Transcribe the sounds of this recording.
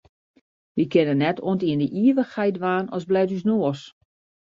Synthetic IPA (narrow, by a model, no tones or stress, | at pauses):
ʋikɪnənːɛtʰoəntiəndəʔiəʋəxhɛjtʋaːnɔzblɛjtysnoəs